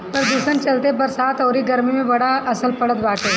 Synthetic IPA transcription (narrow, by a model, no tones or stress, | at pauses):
pɐɾd̪uːsənt͡ʃɐlt̪ebɐɾsaːt̪ɔːɾiɡɐɾmimẽbɐɽaɐsəlpɐɽət̪baːkeː